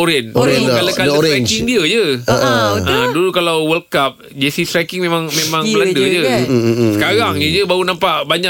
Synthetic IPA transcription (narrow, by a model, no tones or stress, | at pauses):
oɾɛnoɾɛkalakaddəɾeɛɲd͡ʒkŋdiəd͡ʒəəʔʔə̃dulukalawwəlkap̚ | d͡ʒesit̪ɾɛkiŋmemãŋmemãŋəladəd͡ʒəəkaɾaŋjəd͡ʒəbaɾunampaʔbaɲa